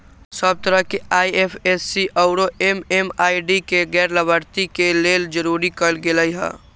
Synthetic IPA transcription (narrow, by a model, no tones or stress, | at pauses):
səb̚t̪əɾəɦkeaːiepʰesːiʔɔʊɾoʔememaːiɖikeɡɛːɾləbʱəɾt̪ikeleːld͡ʒəɾuːɾikəlɡeləiɦɛ̰̃ː